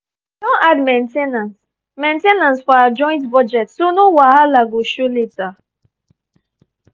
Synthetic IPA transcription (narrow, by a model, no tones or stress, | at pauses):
dɔ̃nadmẽntenãns | mẽntenãnsfɔawad͡ʒɔ̃j̃ntbɔd͡ʒɛtsonowahalaɡoʃoleta